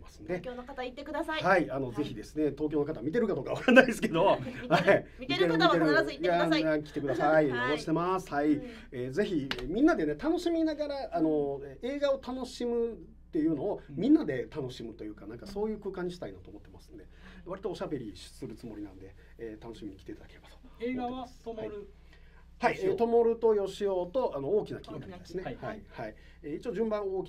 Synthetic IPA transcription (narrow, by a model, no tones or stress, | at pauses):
masɨ̥nd̪e̞kat̪ait̪ːek̪ahaiano̞ze̞çid̪e̞sɨne̞t̪o̞ːkʲjo̞ːnokat̪amʲit̪e̞ɾɯ̟kad̪oːkaβaɾanaid̪sɨ̥ke̞d̪o̞hai | mʲit̪eɾmit̪eɾɯaakʲi̥t̪e̞kɯ̟d̪asaiaɕi̥t̪emasɨ̥hai | eːze̞çimʲĩnːad̪e̞ne̞t̪ano̞ɕimʲinaɡaɾaʔːno̞e̞ːɡao̞t̪ano̞ɕimɯ̟ | t̪ːe̞jɯ̟ːno̞ːmʲĩnːad̪e̞t̪ano̞ɕimɯ̟t̪o̞jɯ̟ːkanãŋkaso̞ːjɯ̟ːkɯ̟ːkãɲ̟ːiɕi̥t̪ainat̪o̞ːmo̞t̪ːemasɨ̥̃nd̪e̞βaɾʲit̪oːɕabe̞ɾʲiɕsɨɾɯ̟t͡sɨmo̞ɾʲinã̰nd̪e̞ː | t̪ano̞ɕimiɲikʲi̥eiːt̪ad̪ḁke̞ɾe̞b̥ḁt̪o̥ | haieːt̪o̞mo̞ɾɯ̟t̪o̞jo̞ɕijot̪o̞ʔano̞oːkʲinakʲinaɾid̪esɨnehaihai | eːit͡ɕioːd͡ʑɨ̃mbãɰ̃oːkʲi